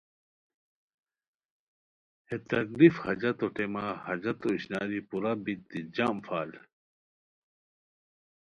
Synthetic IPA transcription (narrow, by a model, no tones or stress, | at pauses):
het̪ɐɡlifhɐd͡ʑɐt̪oʈemahɐd͡ʑɐt̪oiɕnaːɾipuɾabik̚d̪id͡ʑaːmfaːl